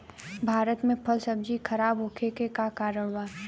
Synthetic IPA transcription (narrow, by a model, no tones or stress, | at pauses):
bʱaːɾət̪mẽpʰəlsəb̚d͡ʒikʰɐɾaːbɦokʰekekakaːɾəɽ̃ʋaːɾ